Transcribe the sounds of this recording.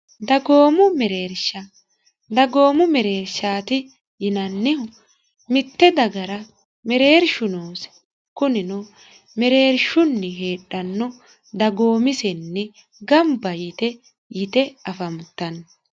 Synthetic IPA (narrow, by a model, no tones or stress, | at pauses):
d̪ɐɡo̞ːmʊmɛɾe̞ːɾʃɐ | d̪ɐɡo̞ːmʊmɛɾe̞ːɾʃaːt̪ɪ | jɪnɐnːɛʊ | mɪt̪ːɛd̪ɐɡɐɾɐ | mɛɾe̞ːɾʃʊnoːs | kʊnɪnɔ | mɛɾe̞ːɾʃʊnːɛɦe̞ːᶑːɐnːɔ | d̪ɐɡo̞ːmɪsɛnːɛ | ɡɐmbɐjɪt̪ɛ | jɪt̪ɛɐfɐmt̪ːɐn